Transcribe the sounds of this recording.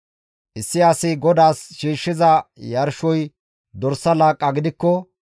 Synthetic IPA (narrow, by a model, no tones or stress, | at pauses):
ʔɪsːɪasɪɡɔd̪aːsʃiːʃːɪzɐjɐɾʃɔj | d̪ɔɾsːɐlaːkʼːɐɡɪd̪ɪkːɔ